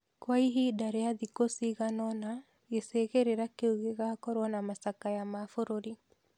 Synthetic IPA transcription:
kwaiɦidaɾeaðikosiɣanɔna | eseɣeɾeɾakeuɣeɣakɔɾwɔnamasakajamafoɾoɾi

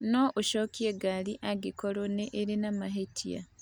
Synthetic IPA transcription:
noʔuʃokieɡaliʔaɡikoɾoneʔːɾinamaɦetʰija̰

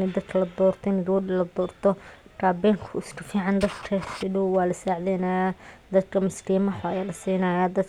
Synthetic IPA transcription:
nɛd̪ɐd̪̚kʰɐlɐd̪ɔːrt̪ʰɔɪnɪd̪uʊdɪlɐd̪ɔːrt̪ʰɔr̥aːbɛːŋkʰʊɪskʰʊfiːʕɑnd̪ɐd̪kʰɐsɪduwɑːlɐsaːʕdɛnajaːd̪ɐd̪kʰɐmɐskʰiːmɐħʊɐjalɐsiːnɐːjaːd̪ɐd̪

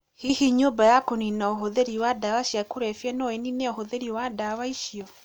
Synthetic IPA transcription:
hihiɲombajakoninaoɦoðeɾiwadawaɕjakoɾɛfjɛnɔenineohoðeɾiwadawaiʃijɔ

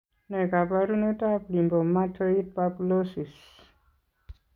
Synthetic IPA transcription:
nekapaɾunət̪aplimbomːat̪ʰəit̪̚paplosis

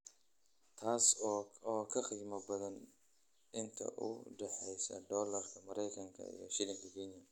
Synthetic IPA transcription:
t̪ʰaːsɔːkʰɐqiːmɐbɐðɐn | ʔɪnt̪ʰɐ̰ʔʊ̰ɖɛħɛjsɐ̰d̪ɔːlɐrkʰɐmɐɾɛjkʰɐŋkʰɐ̰ḭjɔ̰ʃɪlɪŋkʰɐkʰɛːnjɐ

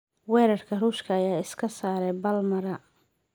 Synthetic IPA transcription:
wɛːɾɐrkʰɐruːʃkʰɐːjaːɪskʰɐsaːɾɛjbɐlmɐɾɐ

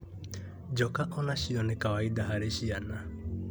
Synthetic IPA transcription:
d͡ʒokaʔonaʃionekawajd̪aɦaɾeɕiana

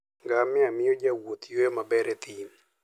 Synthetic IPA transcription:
ŋɡamɛamɪjod͡ʒawot̪jomabɛɾɛt̪ʰin

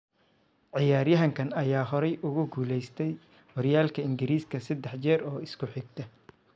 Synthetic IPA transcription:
ʕɪjaːɾjɐɦɐŋkʰɐnɐjaːɦɔɾɛjʔʊɣʊɡuːlɛjst̪ʰɛj | wɔɾjaːlkʰɐɪŋɡɪɾiːskʰɐsɐd̪ɛħt͡ʃɛːɾɔːɪskʰʊħɪɡt̪ʰɐ

